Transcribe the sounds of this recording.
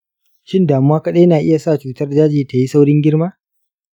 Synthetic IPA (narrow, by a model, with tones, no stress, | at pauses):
ʃɪ˦ndaː˨mu˦waː˦kɐ˦ɗe˦jnaː˨ʔɪ˦ja˨sa˦˨t͡ʃuː˦tɐ˦rd͡ʒaː˦d͡ʒeː˨ta˨ji˦sa˦wɽɪ˦ŋɡʲɪ˦ɽmaː˦